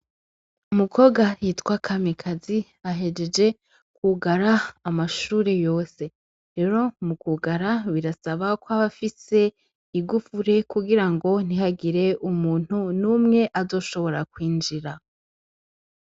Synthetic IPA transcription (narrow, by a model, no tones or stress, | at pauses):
umukʰo̞ɡajiːtkwakʰamikʰazi | aɦe̞d͡ʒe̞d͡ʒe̞ | kuɡaɾaːmaʃuːɾe̞jo̞ːse̞ | ɾe̞ɾo̞mukuɡaɾaβiɾasaβakwaβafise̞ | iɡufuɾe̞kuɡiɾaŋɡo̞n̥iɦaɡiɾe̞ʔumuːn̥hunuːmŋe̞ʔazo̞ːʃo̞βo̞ɾakwiːnd͡ʒiɾa